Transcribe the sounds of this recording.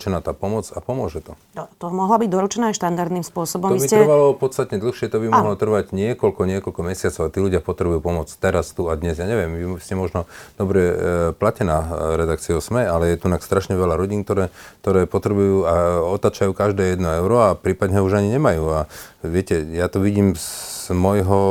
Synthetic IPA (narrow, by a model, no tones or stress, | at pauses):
t͡ʃɛnaːt̪aːpɔmɔt͡sapɔmʊɔʒɛt̪ɔ | nɔt̪ɔmɔɦlabiɟd̪ɔɾut͡ʃɛnɛːaʃt̪and̪aɾd̪nimspʊɔsɔbɔmɔʋiitcɛrʋalɔpɔt̪t͡sst̪at̪ɲɛd̪l̩xʃɪɛt̪ɔbimɔɦlɔt̪r̩ʋaɟɲɪɛkɔlkɔɲɪɛkɔlkɔmɛsɪat͡sɔʊat̪iːluɟɪapɔt̪ɾɛbujuːpɔmʊɔt͡st̪ɛɾast̪uad̪ɲɛzjaːɲɛʋɪɛmʋiscɛmɔʒnɔd̪̥ɔbɾɛplacɛnaːɾɛd̪ak̚t͡siʊsmɛalɛjɛt̪unakst̪ɾaʃɲɛʋɛlaɾɔɟiːnkt̪ɔɾɛːt̪ɔɾɛːpɔt̪ɾɛbujuːaɔt̪aːt͡ʃajuːkaʒd̪ɛːjɛd̪nɔɛʊɾɔapɾiːpad̪ɲɛuʒaɲiɲɛmajuːaʋɪɛcɛjat̪ɔʋiɟiːmzmɔjɦɔ